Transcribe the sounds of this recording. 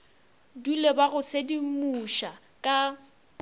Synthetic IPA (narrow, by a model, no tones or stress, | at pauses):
dulebaɣʊsedimuʃa | kʼa